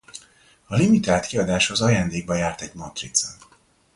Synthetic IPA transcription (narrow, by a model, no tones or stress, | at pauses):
ɒlimit̪aːlt̪kiɒd̪aːʃhozɒjaːnd̪eːɡ̚bɒjaːrt̪ɛɟmɒt̪rḭt̪sɛ̰n